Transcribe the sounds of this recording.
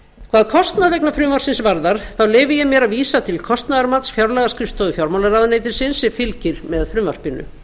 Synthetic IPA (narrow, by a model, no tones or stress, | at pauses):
kʰvaːðkʰɔst̪naðvɛknafɾʏːmar̥sɪnsvaɾðaɾ̥θawleːjvɪjɛmjɛɾaðviːsat̪ʰɪlkʰɔst̪naðaɾmat̪sfjawɾlɛɣaskɾɪfst̪oːðʏfjawɾmawlaɾaðnejt̪ɪɾ̥sɪnsɪfɪlcɪɾ̥mɛððfɾʏːmvar̥pɪnːʏ̰